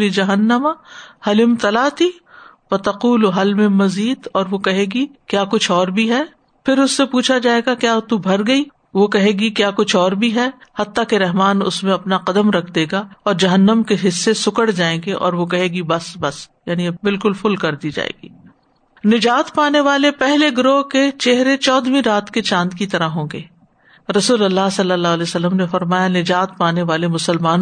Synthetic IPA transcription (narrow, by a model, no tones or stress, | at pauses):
lid͡ʒɐɦənːəmahɐlɪmt̪ɐlaːt̪i | fɐt̪ɐquːluɦɐlmẽmɐziːd̪ɔːɾʋokɐɦẽːɡikjaːkʊt͡ʃʰɔːɾbʱiɦɛː | pʰɪɾʊsːepuːt͡ʃʰad͡ʒaːeːɡakjaːt̪ubʱɐɾɡɐi | ʋokɐɦẽːɡikjaːkʊt͡ʃʰɔːɾbʱiɦɛ | hɐt̪ːakeɾɛɦmaːnʊ̰smẽɐpnaqɐd̪əmɾɐkʰd̪eːɡaɔːɾd͡ʒɐɦənːəmkeɦɪsːesʊkəɽd͡ʒaːẽːɡeʔɔ̰ːɾʋokɐɦeːɡibɐsbɐsjaːnibɪlkʊlfʊlkɐɾd̪id͡ʒa̰ːḛːɡḭː | nɪd͡ʒaːt̪paːneʋaːlepɛɦleɡɾoːɦket͡ʃeɦɾet͡ʃɔːd̪mĩɾaːt̪ket͡ʃãːnd̪kit̪ɐɾaɦõːɡḛː | ɾɐsuːlɐlːaɦsɐlːəlːaɦlɛsɐlːəmnefɐɾmaːjanɪd͡ʒaːt̪̚paːneʋaːlemʊsəlmaːn